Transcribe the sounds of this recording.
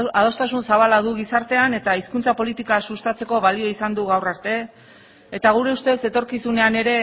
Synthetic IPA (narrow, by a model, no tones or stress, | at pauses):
að̞o̞st̪asunsaβ̞alaðuɣisaɾt̪e̞ane̞t̪aiskunt͡sapo̞lit̪ikasust̪at͡se̞ko̞βalio̞isand̪uɣawraɾt̪e̞ | et̪aɣ̞uɾe̞ust̪e̞se̞t̪o̞ɾkisune̞ane̞ɾe̞